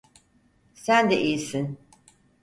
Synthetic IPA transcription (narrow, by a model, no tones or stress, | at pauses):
sænd̪ɛʔijsin